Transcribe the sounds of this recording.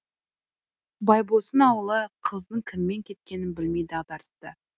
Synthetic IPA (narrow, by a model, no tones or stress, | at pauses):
bɑjbosənɑwəlˠəqʰəzd̪əɴkʲʰɪmːe̞ŋkʲʰe̞t̪̚kʲe̞nɪnbɪlme̞jd̪ɑd̪ɑɾt̪ːə